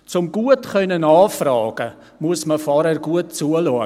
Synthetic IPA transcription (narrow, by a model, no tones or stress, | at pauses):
t͡sʊmɡuətχœnənɑːfrɑːɡə | muəsməfɑɾərɡuət̚t͡suəlɔ